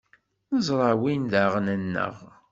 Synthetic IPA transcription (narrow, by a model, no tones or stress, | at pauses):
nəzˤɾˤɑwind̪æʁnənːə̰ʁ